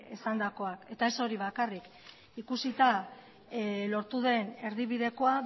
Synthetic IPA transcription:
esand̪ako̞ake̞t̪ae̞so̞ɾiβ̞akarik | ikusit̪a | lo̞ɾt̪uðe̞ne̞ɾðiβiðe̞ko̞a

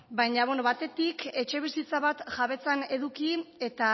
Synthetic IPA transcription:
bajɲaβenoβat̪e̞t̪ike̞t͡ʃe̞β̞isit͡saβat̪ʝaβe̞t͡sane̞ðukie̞t̪a

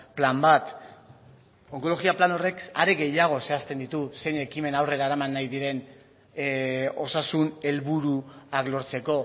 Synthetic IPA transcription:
plambat̪ | oŋko̞loɣiaplano̞re̞kaɾeɣe̞jaɣ̞o̞se̞ast̪e̞nd̪it̪use̞jne̞kime̞nawre̞ɾaeɾamanːajðiɾe̞n | o̞sasune̞lβuɾuaklo̞ɾt͡se̞ko̞

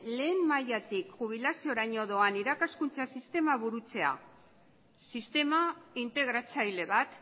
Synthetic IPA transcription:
le̞ːmːajat̪ikʝuβ̞ilasio̞ɾaɲo̞ðo̞aniɾakaskunt͡sasist̪e̞maβuɾut͡se̞a̰ | sist̪e̞maint̪e̞ɣ̞ɾat͡sajle̞βat̪

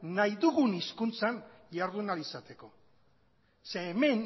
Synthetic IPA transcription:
najðuɣuniskunt͡sanjaɾðunalisat̪e̞ko̞ | seːme̞n

